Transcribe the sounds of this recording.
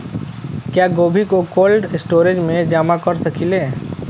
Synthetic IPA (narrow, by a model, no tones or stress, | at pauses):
kjaːɡoːbʱikokoːlɖɪsʈoːɾed͡ʒmẽd͡ʒaːmakəɾsɐkileː